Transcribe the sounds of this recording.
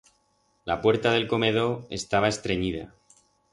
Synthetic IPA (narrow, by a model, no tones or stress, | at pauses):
lapwe̞ɾt̪aðe̞lko̞me̞ð̞o̞e̞̰st̪aβ̞ae̞st̪ɾe̞ɲiða̰